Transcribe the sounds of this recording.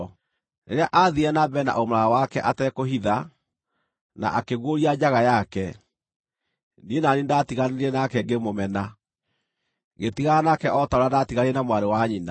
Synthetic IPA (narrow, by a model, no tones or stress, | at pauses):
nḛɾeaʔaðiɛnabɛna̰ʔomoaawakɛʔatɛkoɦiða | na̰ʔakeɣwoɾiad͡ʑaɣajakɛ | nienanindatiɣaneɾɛnakɛɡemomɛna | ɣetiɣaanakɛʔɔtaoɾadatiɣaɾiɛnamwaɾewaɲina̰